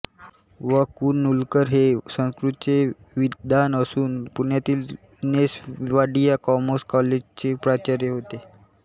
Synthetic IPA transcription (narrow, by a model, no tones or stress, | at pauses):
ʋəkuːnːulkəɾɦesə̃skɾut̪t͡sje | ʋid̪anəsuːnpuɳjat̪iːl | nesʋaɖijakɔmoskɔled͡ʑt͡ɕepɾat͡ɕaɾjeɦot̪e